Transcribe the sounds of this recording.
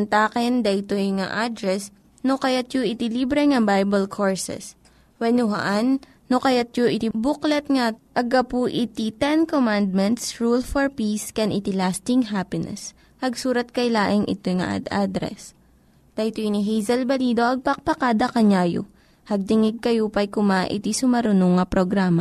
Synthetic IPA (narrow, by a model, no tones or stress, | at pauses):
nt̪aːkɛnd̪ɐʔjt̪ojŋa̰ʔad̪ɾɛs | nokɐjat̪joʔɪt̪ɪlibɾɛŋɐbajbɐlkʰoɹsɛ̰s | wɛnʊɦa̰ʔanː | okɐjat̪̚joʔɪt̪ibʊklɐt̪̚ŋaʔɐɡɐpuʔɪt̪it̪ɛnkomand̪̚mɛnt̪sɹulfɔɹpiskɛnʔɪt̪ɪlast̪ɪŋɦapɪnɛ̰s | hɐɡsuːɾɐt̪̚kɐjlaːʔɪŋʔɪ̰t̪ojŋɐ̰ʔa̰d̪ad̪ɾɛ̰s | t̪ɐt̪ojniɦɛjzɐlbɐliːd̪o̞ʔɐɡ̚pɐk̚pɐkad̪ɐkɐɲaːjo̰ | hɐɡ̚t̪ɪŋɪɡ̚kɐjopɐjkʊmaʔɪ̰t̪isʊmɐɾʊnoŋːɐpɾoɡɾaːma